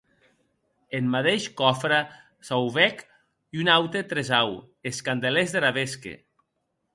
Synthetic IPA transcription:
emmaðeʃkɔfɾa | sawβɛk | iunawt̪et̪ɾezaw | eskand̪elezðeɾaβeskḛ

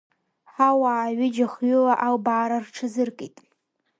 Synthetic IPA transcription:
ħawaːɥɪd͡ʒaχɥʊlaʔawbaːɾarʈ͡ʂʰɨzɨrkʼejtʼ

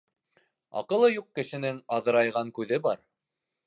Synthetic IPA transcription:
ɑ̰qɤ̆lˠɤjuq̚ːkɘ̆ʃɘ̆nɘŋɑðɤ̆ɾɑjʁɑŋkʉðɘbɑ̰ɾ

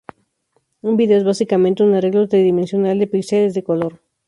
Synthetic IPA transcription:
umbiðeoe̞zβasikamẽnt̪eunareɣlot̪ɾeðimensjo̞nald̪epikselezðe̞koloɾ

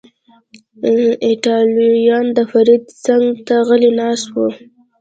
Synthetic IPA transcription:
ɪʈɑljɑnd̪əfaɾid̪t͡saŋɡt̪aɣəlinɑswu

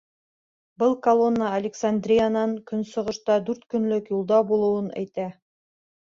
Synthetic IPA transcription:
bɤlˠkɐlˠo̞nːəːlʲɪksand̪rʲijanɑŋkɵnsŏʁɤ̆ʃt̪ɑd̪ʉɾt̪kɵ̆nlɵkjulˠd̪ɑbulˠɤ̆wɤnæ̰jt̪æ

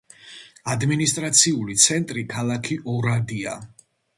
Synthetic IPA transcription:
ad̪minist̪ʼɾat̪sʰiulit̪sʰɛnt̪ʼɾikʰalˠakʰiʔɔɾad̪ia

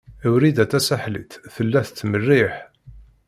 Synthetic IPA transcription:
æwɾid̪æt̪ːæsaħlḭt̪θəlːæθət͡sːmərːiħ

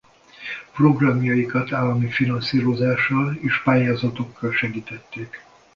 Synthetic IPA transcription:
pro̞ɡrɒmjɒjikɒt̪aːlːɒmifinɒnsiːɾo̞zaːʃːɒleːʃpaːjaːzɒt̪o̞kːɒlʃɛɡiːt̪ɛt̪ːeːk

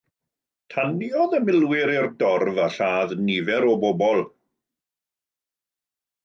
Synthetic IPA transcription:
tʰaniɔðəmɪlˠwɪɾɪrdɔrvaɬaːðnivɛɾɔbɔbɔlˠ

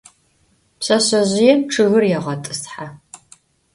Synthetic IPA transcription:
pɕɐɕɐʑɪjɛmʈ͡ʂʰɨɣɨrjɛʁɐtʼɨsħa

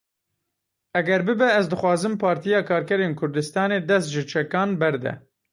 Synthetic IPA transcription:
ɛɡɛɾbɨbɛɛzd̪ɨxwɑːzɨmpʰɑːɾt̪ijɑːkʰɑːɾkɛɾeːnkʰʊɾd̪ɨst̪ɑːneːd̪ɛst̪ʒɨt͡ʃʰɛkɑːnbɛɾd̪ɛ̰

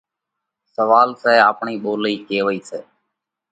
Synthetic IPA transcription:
səʋaːlsɛːaːpɳiːɓoːliːkeːʋəiːseː

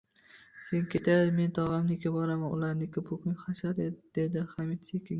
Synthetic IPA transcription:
se̞ŋkʲʰet̪ʰad̪ɪme̞nt̪ʰɒʁɑmnɪkʲʰabɒɾamanʊ̰laɾnɪkʲʰapʊkʊŋχaʃad̪ed̪̥ed̪ɪχamit̪sekʲʰɪ

